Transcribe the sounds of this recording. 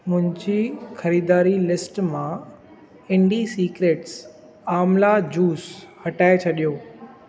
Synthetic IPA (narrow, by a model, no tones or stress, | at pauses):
mʊ̃ɦɪ̃ɲd͡ʑixɐɾiːd̪aːɾilɪsʈmã | ɪ̃ɳɖisiːkɾeːʈs | aːmlad͡ʑuːshɐʈaːet͡ɕʰɐɗijoː